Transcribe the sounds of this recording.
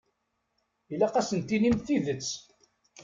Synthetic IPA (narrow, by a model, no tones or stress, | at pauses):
ilæqæsənt̪inimθiðət͡sː